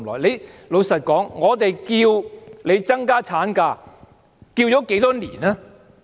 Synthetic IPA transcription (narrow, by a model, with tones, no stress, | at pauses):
lɔ̰˨˩jle˨˧jlo˨˧wsɐ˨t̚kɔː˨˥ŋːɔː˨˧t̪e˨jkiː˧wle˨˧jt͡sɐ˥ŋkaː˥t͡sʰaː˨˥nkaː˧ | kiː˧wt͡ʃɔː˨˥ke˨˥jt̪ɔː˥niː˨˩naː˥